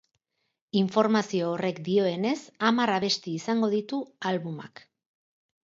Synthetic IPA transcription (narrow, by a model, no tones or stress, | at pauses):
iɱfo̞ɾmasio̞ːre̞kd̪io̞e̞ne̞samaraβ̞e̞st̪iːsaŋɡo̞ð̞it̪ualβuma̰k